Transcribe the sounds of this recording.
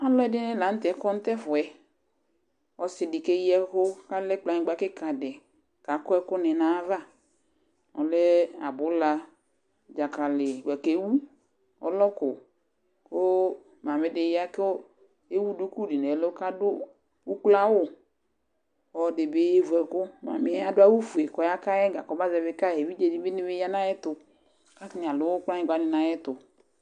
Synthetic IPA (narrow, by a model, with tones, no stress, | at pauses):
a˦lɔ˦ɛ˦dɪ˦nɪ˦la˨n̩˦t̪ɛ˨˦kɔ˦n̩˦t̪ɛ˦fʊ˨ɛ˨ | ɔ˦sɪ˨dɪ˨ke˦jɛ˦kʊ˦ka˦lɛ˦k͡pla˨ɲɪ˦ɡ͡ba˨˦kɪ˦ka˨dɛ˨ | ka˨kɔ˦ɛ˦kʊ˦nɪ˨nã˨˦va˦ | ɔ̰˨lɛ˦a̰˨bʊ˨˦la˦ | d͡ʒa˨ka˨lɪ˨wɛ˨ke˨˦wu˦ | ɔ̰˦lɔ˦kʊ˨ | koʊ˦ | ma˨mɪ˨˦dɪ˨ja˦k | e˦wu˦du˦ku˦˨di˨nɛ˨lo˦ka˦dʊ˦ | u˦k͡pla˦wʊ˦˨ | ɔ˨dɪ˨be˦vu˨ɛ˨kʊ˦ma̰˨mɪ˨˦a˦dʊ˦a˦wu˦fu˨e˨kɔ˨ja˦ka˦jɛ˦ɡa˨kɔ˦ba˦zɛ˧˨βɪ˦ka˦˨ɛ˨bi˦d͡ʒe˨di˦bɪ˦nɪ˦bɪ˦ja˦na˦jɛ˦tʊ˨ | ka˦kn˨a˨lʊ˦k͡pa˦ɲĩ˨ɡʷa˨˦nɪ˨na˨jɛ˦tʊ˨